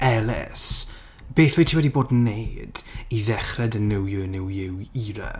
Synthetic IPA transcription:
ɛlˠɛ̰s | b̥eːθojtʰiːwɛdiboːdnːejd̥iðɛχrɛdənɪwjɨnɪwjɪwiːɾa̰

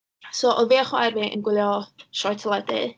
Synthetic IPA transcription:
soʔɔviaχwaɾviʔə̰nɡwɪlˠjɔʃɔtʰəlˠɛdɨ̰

